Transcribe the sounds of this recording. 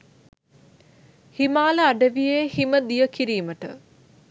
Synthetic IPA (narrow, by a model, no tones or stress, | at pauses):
himaːləaɖəʋijeːhiməd̪ijəkiɾiːməʈə̰